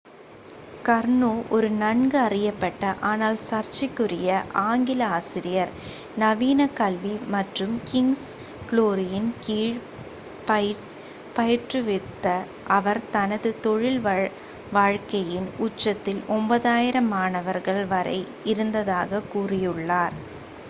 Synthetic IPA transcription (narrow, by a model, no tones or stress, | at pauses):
kɐɾɳoːʔɔɾɯnɐɳɡɯɐrɪjɐpːɐʈːɐʔaːnaːlsɐɾt͡ʃɪkːɯɾɪjɐʔaːŋɡɪlɐaːsɪɾɪjɐɾ | nɐʋiːnɐkɐlʋimɐʈrɯmkɪŋs | kɭoːɾɪjɪnkiːɻ | pɐ | pɐjɪʈrɯʋɪt̪ːɐ | ʔɐʋɐɾt̪ɐnɐðɯt̪ɔɻɪl | ʋaːɻkɐjɪnʊt͡ʃːɐt̪ːɪlʔɔmbɐðaːjɪɾɐmaːnɐʋɐɾɣɐɭʋɐɾɐ̰ɪ | ɪɾɯnd̪ɐðaːɣɐkuːrɪjɯɭːaːɾ